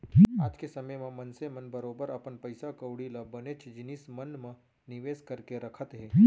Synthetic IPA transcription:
aːd͡ʒkesɐməjmẽmɐnsemɐnbɐɾoːbəɾɐpənpɐɪsakəwɽilabɐnet͡ʃʰd͡ʒɪnɪsmɐnmẽ | nɪʋeːskɐɾkeɾɐkʰət̪ɦɛː

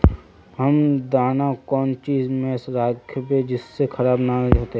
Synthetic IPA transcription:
ɦəmd̪aːnakɔːnt͡ʃiːzmẽsɾaːkʰəpẽd͡ʒɪsːexʰəɾaːbnaːd͡ʒɦoːt̪eɦɛː

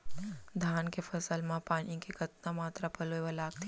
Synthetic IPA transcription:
d̪ʱaːnkefəsəlmãpaːɳĩkekət̪namaːt̪ɾapəloeʋalaːɡ̚t̪ʰ

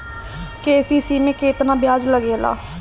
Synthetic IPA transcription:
keːsiːsiːmẽːkeːt̪nãːbɪjaːd͡ʒləɡeːla̰ː

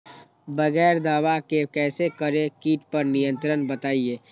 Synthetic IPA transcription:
bɐɡɛːɾd̪aːwakekɛːsekəɾekiːʈpəɾnijə̃nt̪ɾənbət̪aːieː

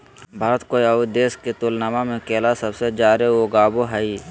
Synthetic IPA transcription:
bʱaːɾət̪koːiəʊd̪eːsket̪ʊlnamamẽkeːlasəbsed͡ʒaːɾeoːɡaːboɦɛi

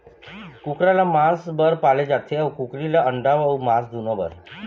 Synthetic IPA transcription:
kukɾalamasbəɾpaled͡zat̪ʰeawkukɾilaəɳɖaʋaumasd̪ʱunɔbə̰ɾ

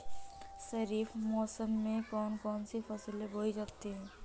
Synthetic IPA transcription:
sɐɾiːfmɔːsəmːẽkɔːnkɔːnsefɐsleboid͡ʒaːt̪eɦɛ̃ː

